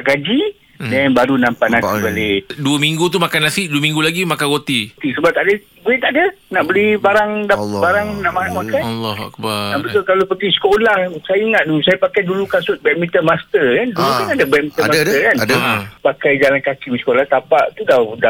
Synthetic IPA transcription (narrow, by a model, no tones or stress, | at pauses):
aɡad͡ʒi | dɛnbaɾunãmpaʔnãibaleduəmiŋɡut̪̬umakanasiʔduəmĩŋɡulaɡimakanɣot̪it̪isəbap̚t̪aʔdə | ɡueʔt̪aʔadə | naʔbəlibaɾaŋdabaɾaŋnaʔmaɾaŋmakanlːɔha̰k̚baabət̪ulkalopət̪isə̥kolahsajəiŋaʔ̪̚duusajəpakajdulukasʊt̪̚bɛk̚mit̪əmast̪ərkandulut̪uadəbɛt̚mĩəmadt̪əkanəpakajd͡ʒalankakimisə̥kolaht̪apaʔt̪udada